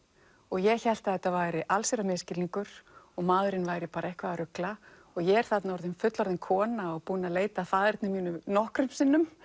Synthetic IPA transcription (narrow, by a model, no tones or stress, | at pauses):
ɔɣjɛɣçɛl̥t̪aðɛt̪ːavaːjɾɪʔalseɾamɛːscɪliŋkʏɾ̥ɔɣmaðɾɪnvaːjɾɪpaːɾɛhkvaðaɾʏkla | ɔɣjɛɛɾ̥θat̪naɔɾðʏmfʏt̪lɔɾðɪnkʰɔːnaɔpuːnaleːjt̪afaːðɛɾt̪nɪmiːnʏmnɔhkɾʏmpsɪnːʏm